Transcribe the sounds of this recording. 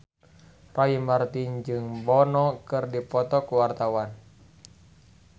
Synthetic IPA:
raimart̪ind͡ʒɨŋbɔnɔkɨrdipɔt̪ɔkuwart̪awan

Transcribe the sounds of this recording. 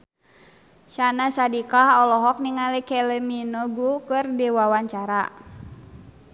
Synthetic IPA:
ʃanasadikaɦɔlɔɦɔk̚niŋalikɛlɛminɔɡukɨrdiwawaɲt͡ʃaɾa

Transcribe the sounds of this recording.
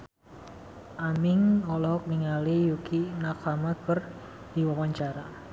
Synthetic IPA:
ʔamɪŋɔlɔk̚niŋalijukinakamakər | d̥iwawaɲt͡ʃaɾa

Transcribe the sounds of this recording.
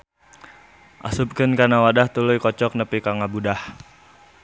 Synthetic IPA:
ʔa̰sub̚kənkanawadaht̪ulujkɔt͡ʃɔk̚nəpikaŋabudah

